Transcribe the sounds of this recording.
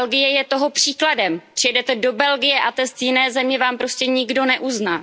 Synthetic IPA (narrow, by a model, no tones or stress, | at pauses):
lɡɪjɛjɛt̪o̞ɦo̞pr̝̥iːkladɛmr̥ɪjɛdɛt̪ɛdo̞bɛlɡɪjɛʔat̪ɛst̪jɪnɛːzɛmɲɛvaːmpɾo̞scɛɲɪɡdo̞nɛʔuznaː